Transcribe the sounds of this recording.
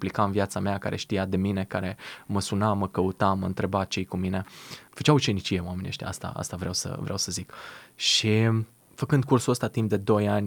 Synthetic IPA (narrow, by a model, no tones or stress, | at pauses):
plikamvjat̪sameaka̰ɾʔe̞̰ʃt̪ijad̪e̞mine̞kaɾe̞məsunaməkəut̪aməɨnt̪ɾe̞bat͡ʃejkumine̞fə̥t͡ʃawut͡ʃe̞nit͡ʃije̞wamenieʃt̪ʲa̰a̰st̪a̰a̰st̪avɾeʔa̰wsə̰vɾeʔa̰wsəzikʃi | fəkɨnd̪kursuəst̪at̪imp̚d̪e̞d̪o̞janʲ